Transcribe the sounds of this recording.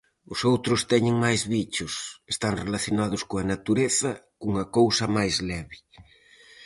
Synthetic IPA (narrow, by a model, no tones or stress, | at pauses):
ʊsowt̪ɾʊst̪ɛɲɪŋmajzβit͡ʃʊsest̪aŋrelaθjonaðʊskoɐnat̪uɾeθɐkuŋɐkowsɐmajzlɛβɪ